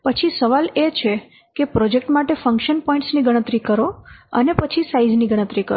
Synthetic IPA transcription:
pət͡ʃʰisəʋalet͡ʃʰe | kepɾɔd͡ʒek̚ʈmaʈefə̃ŋkʃənpɔĩɳʈsniɡəɽ̃ət̪ɾikəɾoə̰nepət͡ʃʰisaid͡ʒniɡəɽ̃ət̪ɾikə̰ɾo

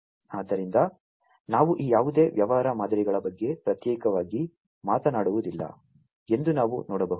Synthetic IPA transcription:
aːd̪ːɐɾind̪ɐ | naːʋuʔiːjaːʋud̪e̞ːʋjɐʋɐɦɾɐmaːd̪ɐɾiɡɐɭɐbɐɡːe̞pɾɐt̪jɛːkɐʋaːɡi | maːt̪ɐnaːɽuʋud̪ilːɐ̰ | e̞nd̪unaːʋunɔːɽɐbɐɦu

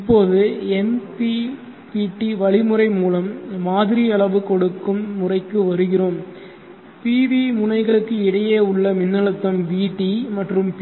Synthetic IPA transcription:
ɪpːoːðɯɛmpi | piːʈːiʋɐɭɪmɯrɐɪmuːlɐmːaːðɪɾiɐɭɐʋɯkɔɽɯkːɯmːʊrɐɪkːɯʋɐɾɯɣɪroːm | piːʋimʊnɐɪɣɐɭɯkːɯɪɽɐjeːʊɭːɐmɪnːɐɭɯt̪ːɐmʋiːʈːimɐʈrɯmp

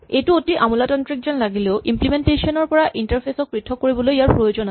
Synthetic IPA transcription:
etuotiʔamulatɔntɹik̚zɔnlaɡileʊʔimplimentesiɔnɔɹpɔɹaʔintaɹpʰesɔk̚pɹitʰːɔkːoɹibɔlojjaɹpɹojod͡ʑɔna

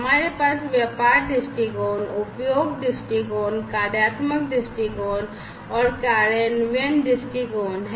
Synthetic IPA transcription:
ɦɐmaːɾepaːsʋjəpaːɾɖɪsʈikoːnʊpjoːɡɖɪsʈikoːnkaːɾjaːt̪mək̚ɖɪsʈikoːn | ɔːɾkaɾənʋenɖɪsʈikoːnɦ

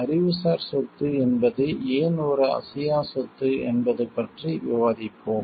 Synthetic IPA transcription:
ɐɾɪʋɯsaːɾsɔt̪ːɯɛnbɐðɯeːnoːɾɐɐ̰sɪjaːsɔt̪ːɯɛ̰nbɐðɯpːɐʈriʋɪʋaːðɪpːoːm

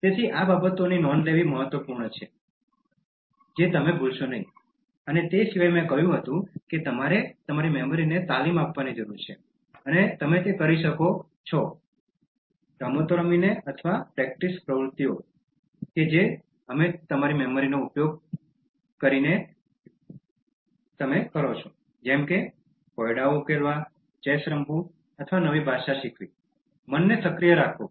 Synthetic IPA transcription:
t̪et̪ʰiʔababət̪oninɔnleʋiməɦət̪ʋəpuɾɳət͡ʃʰe | d͡ʒet̪əmebʱulʃonəɦĩ | ənet̪esiʋajmẽkəɦjũɦət̪ũket̪əmaɾet̪əmaɾimɛməɾinet̪alimapʋanid͡ʒəɾuɾt͡ʃʰe | ənet̪əmet̪ekəɾiʃəko | t͡ʃʰɔ | ʈɾamot̪oɾəmineət̪ʰʋapɾɛk̚ʈispɾəʋɾut̪ijo | ked͡ʒe | əmet̪əmaɾimɛməɾinoupjoɡ̚ | kəɾine | t̪əmekəɾot͡ʃʰo | d͡ʒɛmke | kɔjɽaoukeɭʋa | t͡ʃesɾəmbʱũ | ət̪ʰəʋanəʋibʱaʃaʃikʰʋḭ | mənːesəkɾijəɾakʰo

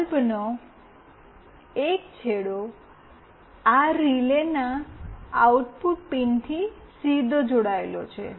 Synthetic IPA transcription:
lbno | ekt͡ʃʰeɽo | aɾilena | auʈpuʈ̚pint̪ʰisid̪ʱod͡ʒoɽaelo̰t͡ʃʰḛ

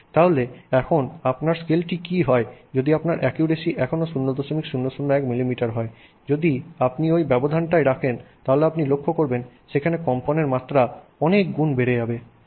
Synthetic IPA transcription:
t̪aɦoleɛkʰonapnaɾskelʈikiɦɔed͡ʑod̪iapnaɾʔɛkjuɾesiʔɛkʰonoʃunːod̪oʃomikʃunːoʃunːoɛkmilimiʈaɾɦɔe | d͡ʑod̪iapniojbɛbod̪ʱanʈajɾakʰent̪aɦoleapnilokʰːokoɾbenʃekʰanekɔmponeɾmat̪ːɾa | ɔnek̚ɡunbeɾed͡ʑabe

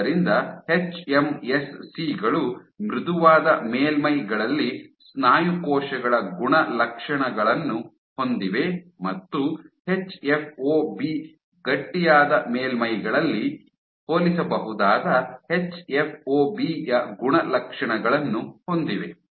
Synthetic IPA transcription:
ɐɾind̪ɐhe̞t͡ʃemesːiɡɐɭu | mɾud̪uʋaːd̪ɐmeːlmɐjɡɐɭɐlːisnaːjukɔːʃɐɡɐɭɐɡuɳɐlɐkʂɐɳɐɡɐɭɐnːu | ho̞nd̪iʋe̞mɐt̪ːuhe̞t͡ʃːepʰoːbi | ɡɐʈːijaːd̪ɐmeːlmɐjɡɐɭɐlːi | hoːlisɐbɐɦud̪aːd̪ɐhet͡ʃːepʰoːbijɐɡuɳɐlɐkʂɐɳɐɡɐɭɐnːuho̞nd̪iʋe̞

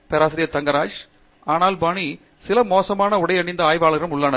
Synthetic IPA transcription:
pɛːɾaːsɐɾɪjɐt̪ɐŋɡɐɾaːd͡ʒ | aːnaːlbaːɳi | sɪlɐmoːsɐmaːnɐʊɽɐɪɐɳɪnd̪ɐaːjʋaːɭɣɪɾɐmʊɭːaːnɐ

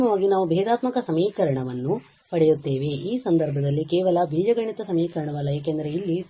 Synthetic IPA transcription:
mɐʋaːɡinaːʋubʱɛːd̪aːt̪mɐkɐsɐmiːkɐɾɐɳɐʋɐnːu | pɐɽɛjut̪ːe̞ːʋeʔiːsɐnd̪ɐɾbʱɐd̪ɐlːikɛːʋɐlɐbʱiːd͡ʒɐɡɐɳit̪ɐsɐmiːkɐɾɐɳɐʋɐlːɐjeːkend̪ɐɾeilːi

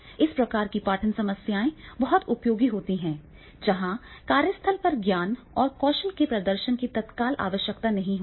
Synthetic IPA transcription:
ɪspɾɐkaːɾkipaːʈʰənsɐməsjaːẽbɐɦʊt̪ʊpjoːɡiɦoːt̪iɦɛ̃ː | d͡ʒɐɦãkaːɾjəst̪ʰəlpɐɾɡjaːn | ɔːɾkɔːʃəlkepɾɐd̪əɾʃənkit̪ɐt̪kaːlʔa̰ːʋəʃjək̚t̪anɐɦĩɦo

